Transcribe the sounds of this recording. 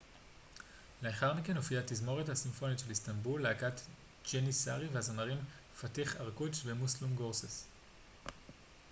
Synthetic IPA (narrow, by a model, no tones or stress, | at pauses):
leaχaʁmike̞nofiatizmo̞ʁethasimfo̞nitʃelistambulːeakat | d͡ʒenisa̰ʁivehazonaʁim | fatiχaʁkut͡ʃvemuslumɡoʁses